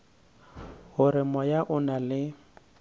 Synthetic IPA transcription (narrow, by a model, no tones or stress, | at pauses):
hʊɾɪmɔjaʔʊnalɪ